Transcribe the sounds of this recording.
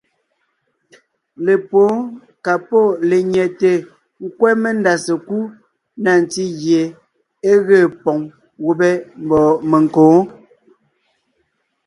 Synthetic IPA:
le˨poː˨˦ | ka˨pɔ˦˨le˨ɲɛ˨te˨ | ŋ̩˦kwɛ˦me˦˨nda˨se˨ku˦ | na˨n˨ti˦ɣje˨ | e˦ɣeː˦˨pɔ˨ŋ | wo˦bɛ˦m˨bɔ˨me˨ŋkõː˨˦

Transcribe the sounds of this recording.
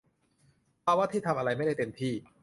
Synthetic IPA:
paː˧wa˥˩t̪ʰiː˥˩t̪ʰmʔa˧ɾa˧jma˥˩jda˥˩t̪e˧mt̪ʰiː˥˩

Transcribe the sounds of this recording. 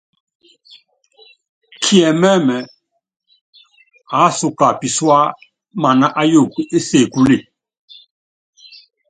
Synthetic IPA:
kʰi˦ɛ˨mɛ˦mɛ˨ | a˨˦su˨ka˨pi˨swa˦ | ma˨na˦ʔa˦jo˦˨ke˦se˦˨ku˦li˦˨

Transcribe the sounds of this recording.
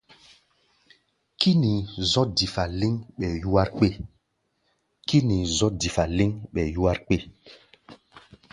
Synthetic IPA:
ki˦ni˨zɔ˦di˨fa˨li˦ŋɓɛ˨ju˦wa˦ɾk͡pe˦˨ | ki˦ni˨zɔ˦di˨fa˨li˦ŋɓɛ˨ju˦wa˦ɾk͡pe˦˨

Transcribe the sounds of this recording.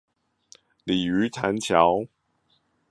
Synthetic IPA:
li˨˩y˧˥t̪ʰa˧˥nt͡ɕʰjɑ˧˥˦ʊ

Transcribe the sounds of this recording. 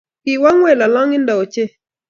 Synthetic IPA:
kɪ˨wa˦ŋwɛ˦˨la˨la˦ŋɪ˦ndɔ˨t͡ʃe˦

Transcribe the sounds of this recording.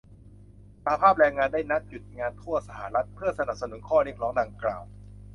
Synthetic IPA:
sa˧ha˦pʰaː˥˩p̚ɾɛː˧ŋaː˧ndaː˥˩jna˦˥t̪̚ju˨˩t̪̚ŋaː˧nt̪ʰu˥˩ɐsa˧ha̰˧˩ɾa˦˥t̪̚pʰɯ˥˩ɐsa˧na˨˩p̚sa˧nu˩˦nkʰɔː˥˩ɾi˥˩ək̚lɔː˦˥ŋdaː˧ŋkla̰ː˨˩w

